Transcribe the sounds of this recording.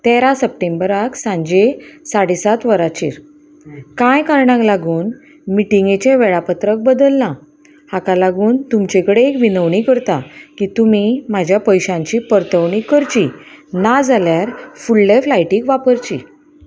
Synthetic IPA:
t̪eɾasəp̚ʈembəɾaksãɲd͡ʑesaɽisat̪ʋəɾat͡ɕḭːɾ | kãjkaɾɳãŋklaɡuːn | miʈiŋɡet͡ɕeʋɛɭapət̪ɾək̚bəd̪əlna | hakalaɡuːnt̪umt͡ɕekɽeekʋinəʋɳikəɾt̪akiːt̪umim̤ad͡ʑʱjapəjɕãɲt͡ɕiːpəɾt̪əʋɳikəɾt͡ɕinad͡zaljaɾfulːeflajʈiːkʋapəɾt͡ɕḭ

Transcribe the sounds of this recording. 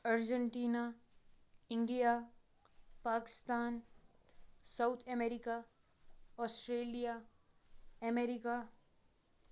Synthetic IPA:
əɾd͡ʒəɳʈiːna | ɪ̃ɳɖija | paːkɪ̥st̪aːn | saʊt̪ʰɛmeːɾika | ɔːsʈɾeːlija | ɐmeːɾika

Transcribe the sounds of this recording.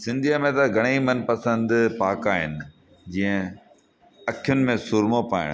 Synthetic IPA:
sɪ̃nd̪ʱiəmẽt̪ɐɡʱɐɽ̃imɐnpɐsə̃nd̪paːkaːɦɪ̰nɪ̆ | d͡ʑĩːə̃ | ɐkʰjʊnɪ̆mẽsʊɾmopaːɪ̰ɽ̃

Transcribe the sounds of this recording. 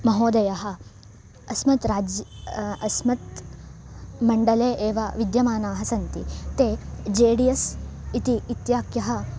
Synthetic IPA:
mɐɦoːd̪ɐjɐɦɐ̆ | ɐsmɐt̪ɾaːd͡ʒ | ɐsmɐt̪ | mɐɳɖɐleːʔeːʋɐʋid̪jɐmaːnaːɦɐsɐnt̪ḭt̪eːd͡ʒeːɽijɐsit̪iːt̪jaːkjɐɦɐ̆

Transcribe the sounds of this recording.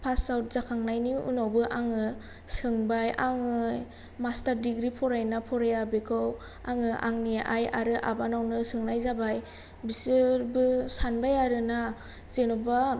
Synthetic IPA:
pʰasawt̚zakʰaŋnajniṵnawbɯʔaŋɯ | sɯŋbajaŋɯj | mastaɾdiɡɾipʰɔɾajnapʰɔɾajabekʰɯw | aŋɯʔa̰ŋniʔa̰ja̰ɾɯʔabanawnɯsɯŋnajzabaj | bisɯɾbɯsanbajaɾɯna | z̥enɔba

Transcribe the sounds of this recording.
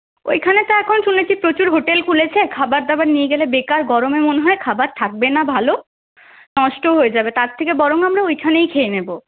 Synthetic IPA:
o̰jkʰanet̪aɛkʰonʃunet͡ɕʰipɾot͡ɕuɾɦoʈelkʰulet͡ɕʰekʰabaɾd̪abaɾnieɡelebekaɾɡɔɾomemoneɦɔekʰabaɾt̪ʰak̚benabʱalo | nɔʃʈoɦoed͡ʑabet̪aɾt̪ʰekebɔɾoŋamɾaojkʰanejkʰeenebo

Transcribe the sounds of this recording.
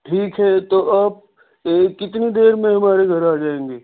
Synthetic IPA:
ʈʰiːkɦɛt̪oʔɐːb̚ | kɪt̪nid̪eːɾmẽɦɐmaːɾeɡʱɐɾaːd͡ʒaːẽːŋɡeː

